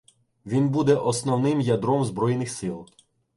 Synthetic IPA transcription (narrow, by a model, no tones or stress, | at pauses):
ʋʲinbud̪ɛʔɔsnɔwnɪmjɐd̪ɾɔmzbɾɔjnɪxsɪlˠ